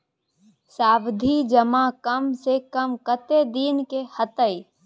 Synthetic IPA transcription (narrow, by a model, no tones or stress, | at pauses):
saːbd̪ʱid͡ʒəmakəmsekəmkət̪ed̪iːnkehət̪əi